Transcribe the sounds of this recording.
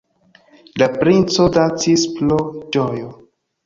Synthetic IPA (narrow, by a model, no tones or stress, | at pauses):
lapɾint͡sodat͡sisplod͡ʒojo